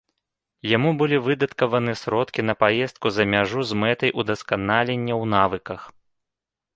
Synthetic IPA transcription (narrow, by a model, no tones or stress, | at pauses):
jamubɨlʲivɨd̪ɐt̪kɐvɐnɨsɾɔt̪kʲin̪ɐpajɛst̪̚kuzɐmʲaʐuzmɛt̪ɐjʔud̪ɐskanalʲenʲːɐwnavɨkɐx